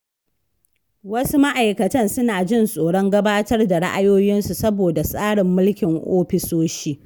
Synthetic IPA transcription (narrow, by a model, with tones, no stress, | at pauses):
wɐ˦su˦ma˦ʔa˨jkɐ˨tɐ˦nsʊ˦naː˨d͡ʒɪ˦nsʼoː˨ɽɔ˦ŋɡɐ˦baː˦tɐ˦rda˨ɽa˦ʔa˦joː˦jɪ˦nsu˨sɐ˦boː˨da˨sʼaː˦ɽɪ˨mːʊ˦lkʲɪ˨ŋʔoː˦ɸɪ˨soː˦ʃiː˦